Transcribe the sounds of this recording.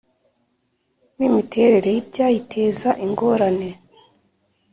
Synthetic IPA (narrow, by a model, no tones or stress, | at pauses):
nimitʰe̞ɾeɾe̞jibɟaːjitʰe̞ːzaʔiŋɡo̞ːɾane̞